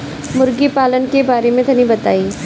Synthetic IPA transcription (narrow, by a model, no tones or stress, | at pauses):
mʊɾɡipaːlənkebaːɾemẽt̪ʰɐnibɐt̪aːiː